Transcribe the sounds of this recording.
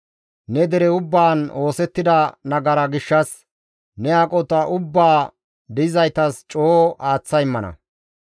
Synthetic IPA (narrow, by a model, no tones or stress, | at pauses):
nɛd̪ɛɾɛʊbːaːno̞ːsɛt̪ːɪd̪ɐnɐɡɐɾɐɡɪʃːɐs | nɛaːkʼɔt̪ːɐʔʊbːaː | d̪ɪɪzɐjt̪ɐst͡ʃʼoːʔaːt͡sːɐjɪmːɐnɐ̰